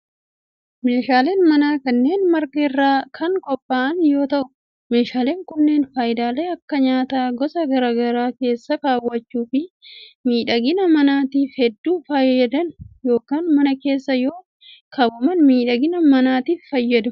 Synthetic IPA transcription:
me̞ːʃaːleːnmɐnaːkɐnːe̞ːnmɐɾkɐɪrːaːkʰɐŋkɔpʼːaːʔɐnjo̞ːt̪ɐʔʊ̥ | me̞ːʃaːle̞ːŋkʊnːe̞ːnfaːjɪd̪aːle̞ːɐkːɐɲaːt̪aːɡɔsɐɡɐɾaːɡɐɾaːke̞ːsːɐkaːwːɐt͡ʃːuːfɪmiːᶑɐɡɪnɐmɐnaːt̪iːfhɛd̪ːuːfɐjɐd̪ɐnjo̞ːkaːnmɐnɐke̞ːsːɐjo̞ː | kɐbʊmɐnmiːᶑɐɡɪnɐmɐnaːt̪iːfːɐjːɐd̪ʊ

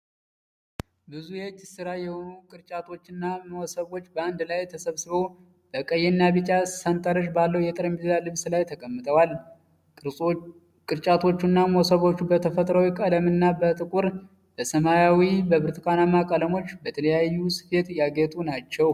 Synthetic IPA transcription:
bɨzujɛt͡ʃʼːɪsɨɾajɛho̞nukʼɨɾt͡ʃʼat̪ʰo̞t͡ʃːɨnːaməwɔsəβo̞t͡ʃːbəand̪lajt̪ʰəsəβsɨβow | b̥əkʼəjːɛnːabɨt͡ʃʼasənt̪ʼəɾəʃ̬balːəwjɛt̪ʼɨɾəmbizjalɨβslajt̪ʰəkʼəmːɨt̪ʰəwal | kʼɨɾt͡ʃʼat̪ʰo̞t͡ʃːunːaməwɔsəβo̞t͡ʃːubət̪ʰəfət̪ʼɾəwikʼələmɨnːabət̪ʼɨkʼuɾ | b̥əsəmajawibəβɨɾt̪ʰɨkʰanamakʼələmo̞t͡ʃːbət̪ʰələjajːusɨ̥fe̞t̪jaɡet̪ʼunat͡ʃːɛw

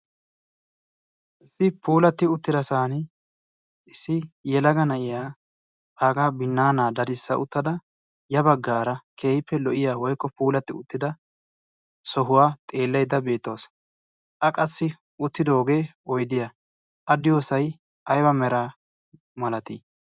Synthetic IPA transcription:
ʔɪsɪpuːlɐt̪ːɪʊt̪ːɪd̪ɐsaːnɪ | ɪsːɪjɛlɐɡɐnɐʔɪjaː | aːɡaːbɪnːaːnaːd̪ɐɾɪsːɐ̰ʔʊt̪ːɐd̪ɐ | jɐbɐɡːaːɾɐkʰe̞ːjɪpːɛlɔʔɪjaːwɔjkːɔpuːlɐt̪ːɪʊ̰t̪ːɪd̪ɐ | sɔɦʊwaːt̪ʼe̞ːlːɐjd̪ɐbe̞ːt̪ːoːs | ʔɐkʼɐsːɪ | ʊt̪ːɪd̪o̞ːɡe̞ːɔjd̪ɪja | ʔɐd̪ɪjoːsɐj | ʔɐjwɐmɛɾaː | mɐlɐt̪i

